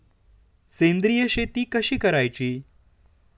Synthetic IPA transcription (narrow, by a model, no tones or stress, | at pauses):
sẽnd̪ɾijəɕet̪iːkəɕiːkəɾajt͡ɕiː